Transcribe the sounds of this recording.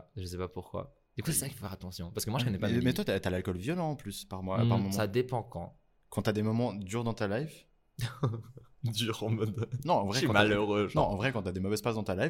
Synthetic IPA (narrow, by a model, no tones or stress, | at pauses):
ʒəsɛpapuʁkwa̰ | d̪̥ykusɛsaki̥fofɛʁat̪ɑ̃sjɔ̃paʁsəkəmwaʒəkɔnɛppamɛt̪wat̪at̪yalalkɔlvjɔlɑ̃ːplyspaʁmwapaʁmɔmɑ̃sad̪epɑ̃kɑ̰̃ | kɑ̃t̪yad̪emɔmɑ̃d̪yʁd̪ɑ̃t̪alajv | d̪yʁɑ̃mɔd̪nɔ̃ɑ̃vʁɛɑ̃tmaløʁønɔ̃ʔɑ̃vʁɛkɑ̃t̪yad̪emɔvɛzpazd̪ɑ̃t̪alav